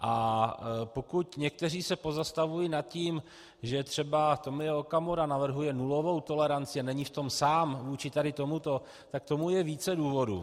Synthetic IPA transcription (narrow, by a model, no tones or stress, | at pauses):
ʔa | po̞kucɲɛk̚t̪ɛriːsɛpo̞zast̪avujinat̪ciːm | ʒɛt̪r̝̥ɛbat̪omjɛokamoɾanavr̩ɦujɛnulo̞vo̞wt̪o̞lɛɾant͡sɪanɛɲɪft̪o̞msaːmvuːt͡ʃɪt̪adɪt̪o̞mut̪o̞ | t̪ak̚t̪o̞mujɛviːt͡sɛduːvo̞dṵ